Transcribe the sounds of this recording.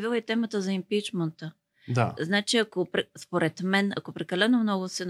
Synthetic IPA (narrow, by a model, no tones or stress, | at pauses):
vilˠit̪ɛmət̪əzɐimpit͡ʃmənt̪ə | d̪a̰znat͡ʃiɐkopɾɛspoɾɛt̪mɛnɐ̰kopɾɛkɐlɛnomnɔɡʊsɛn